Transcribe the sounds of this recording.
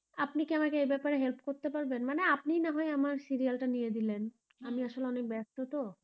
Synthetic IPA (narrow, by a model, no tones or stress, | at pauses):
apnikiamakeejbɛpaɾeɦelpkoɾt̪epaɾbenmaneapnijnaɦɔeamaɾsiɾialʈanijed̪ilen | amiaʃoleɔnek̚bɛst̪ot̪o